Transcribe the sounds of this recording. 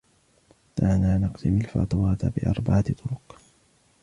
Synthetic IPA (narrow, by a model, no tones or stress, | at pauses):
t̪anaːnɑqd̪ɪmalfa̰t̪ˤɑwaːt̪abɪʔɑ̰ɾˤbaʕat̪t̪ˤʊɾʊq